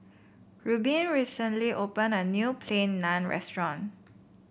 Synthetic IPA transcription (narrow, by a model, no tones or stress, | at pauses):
ɹubĩnɹisɛ̃ntliʔopɛ̃nɐnjupʰlẽnːãnɹɛ̰stɹɔ̃n